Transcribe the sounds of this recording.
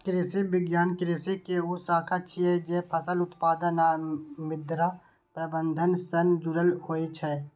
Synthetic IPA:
kɾeːsebɪɡjaːnkɾeːsekeʊsaːkʰatːʃʰiɦɛd͡ʒɛːpʰɐsəlʊt̪paːd̪ənamɪd̪ɾa | pɾɐbə̃nd̪ʱənsənd͡ʒʊɾəlhoːet͡ʃʰɛː

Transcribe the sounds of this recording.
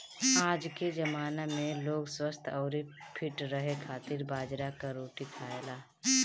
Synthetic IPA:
aːd͡ʒked͡ʒəmaːnamẽloːɡswəst̪ʰɔːɾipʰɪʈɾəɦekʰaːt̪ɪɾbaːd͡ʒɾakaɾoːʈikʰaːelaː

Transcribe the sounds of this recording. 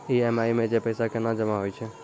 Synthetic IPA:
iːɛmaːimẽd͡ʒepəjsakenad͡ʒəmaɦojt͡ʃʰe

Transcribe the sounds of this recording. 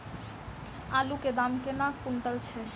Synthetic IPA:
aluked̪amkenakunʈalt͡ɕʰe

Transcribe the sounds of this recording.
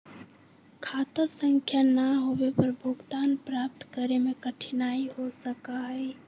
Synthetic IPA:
kʰaːt̪əsə̃ŋkʰjanəɦowepəɾbʱʊɡt̪aːnpɾap̚t̪kəɾemẽkəʈʰinaiɦosəkaɦɛɪ

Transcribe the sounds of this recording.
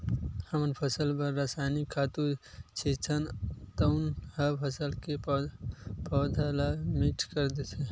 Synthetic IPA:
həmnpʰəsəlpəɾːaːsaːjnikʰːaːt̪ut͡ʃʰit͡ʃʰənt̪ənhəpʰəsəlke | pɔːd̪ʱalamɪʈʰkəɾd̪et̪ʰe

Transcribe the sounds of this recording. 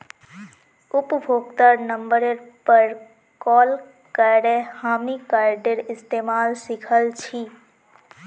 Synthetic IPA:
upbʱoɡt̪əɾnəmbəɾeɾpəɾ | kɔl | kəɾehamnikaɾɖeɾɪst̪emalsikʰəlt͡ʃʰi

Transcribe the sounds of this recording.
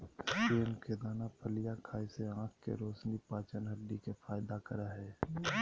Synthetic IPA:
iənked̪aːnapʰəlɪjakʰaːiseãːkʰkḛɾoːsnipaːt͡ʃənɦəɖːikefʰaːjd̪akəɾaɦɛː

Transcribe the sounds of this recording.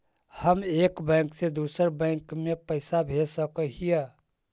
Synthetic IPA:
həmeːkbɛ̃ːŋksed̪uːsəɾbɛ̃ːŋkmẽpəɪsabʱesəkəɦijɛ

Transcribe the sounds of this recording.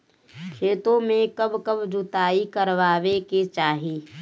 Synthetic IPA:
kʰeːt̪õmẽkəbkəbd͡ʒʊt̪aːikəɾʋaːʋeket͡ʃaːɦiː

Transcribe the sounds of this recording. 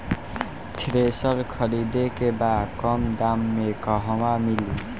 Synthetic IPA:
t̪ʰɾesʌlkʰʌɾid̪ekebakʌmd̪amːekʌɦʌwamili

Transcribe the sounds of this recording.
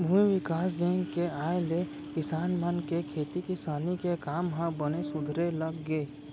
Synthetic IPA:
bʱũiʋɪkaːsd̪ẽːŋɡkeaːele | kɪsaːnmənkekʰeːt̪ikɪsaːnikekaːmɦãbənesʊd̪ʱɾeləɡːeː

